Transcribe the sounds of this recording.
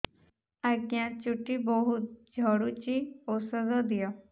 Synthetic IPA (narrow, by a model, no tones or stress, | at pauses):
aɡjãt͡ʃuʈːibɔɦʊt̪̚d͡ʒʱɔɽut͡ʃiosəd̪ɔd̪ɪjɔː